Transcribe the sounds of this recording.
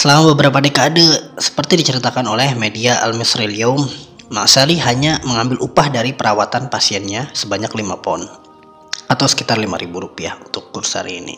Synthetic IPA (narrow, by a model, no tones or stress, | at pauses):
səlamabəbəɾapadekaːdəsə̥pərt̪idit͡ʃəɾit̪akanolɛhmediaʔa̰lmisɾeliaumma̰ʔsaliɦaɲaməŋambɪlʔupahdaɾipəɾawat̪anpasiɛnɲasəbaɲaklimapɔn | at̪awsə̥kit̪arlima̰ɾibuɾupia̰hunt̪ʊkːursa̰ɾḭːnḭ